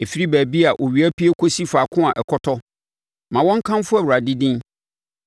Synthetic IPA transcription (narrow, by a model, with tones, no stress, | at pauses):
e˨fi˦ɾi˦bæ˨bi˦a˨ʔo˨ɥi˨˦æ˦pi˦e˦kʰo˦si˦faː˨kʰʊ̃˦a˨ʔɛ˨kʰɔ˦tʰɔ˦ | mã˨wɔ̃˦ŋ̩˦kʰã˦m˦fʊ˦æ˨wu˨ɾa˨dɪ˦dĩ˦n